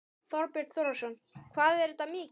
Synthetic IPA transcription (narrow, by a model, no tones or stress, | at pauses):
θɔɾpɪɾt̪θɔɾasɔnkʰvaːðɛɾɪt̪ːamɪːc